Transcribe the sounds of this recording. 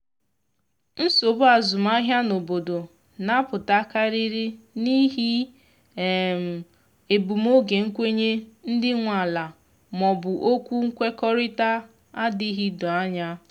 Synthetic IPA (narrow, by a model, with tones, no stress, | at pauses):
n̩˦so˨bʊ˦a˨zʊ˨ma˦ɦja˦no˨bo˨do˨ | na˦pʊ˨ta˦ka˦ɾi˦ɾi˦ | ni˦ɦi˦˨ | m˨ | e˨bu˨m˦o˦ɡe˨ŋ̩˦kʷe˦ɲe˦n̩˦dɪ˦ŋʷa˨la˨ | mɔ˨bʊ˨ʔo˦kʷu˦ŋ̩˦kʷe˦kɔ˦ɾɪ˦ta˦ | a˦dɪ˦ɦi˦dɔ˨a˦ɲa˦